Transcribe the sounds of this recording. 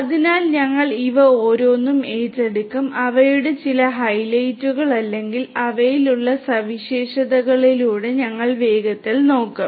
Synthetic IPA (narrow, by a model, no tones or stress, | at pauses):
ɐðinaːlɲɐŋːɐɭiʋɐoːɾo̞ːnːume̞ːtːe̞ɽukːumɐʋɐjuɽet͡ɕilɐɦɐjlɐjtːuɣɐɭɐlːe̞ŋɡilɐʋɐjiluɭːɐsɐʋiɕeːɕɐðɐɣɐɭiluːɽe̞ɲɐŋːɐɭʋe̞ːɡɐt̪ːilno̞ːkːɐm